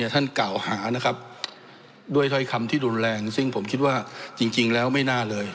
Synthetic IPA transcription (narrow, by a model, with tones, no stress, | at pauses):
ɐt̪ʰa˥˩nka˨˩whaː˩˦na˦˥kʰa˦˥p̚ | du˥˩əjt̪ʰɔ˥˩jkʰa˧mt̪ʰiː˥˩ɾuː˧nlɛː˧ŋsɯ˥˩ŋpʰo˩˦mkʰi˦˥t̪̚waː˥˩t͡ɕi˧ŋt͡ɕi˧ŋlɛː˦˥wma˥˩jnaː˥˩lɤː˧j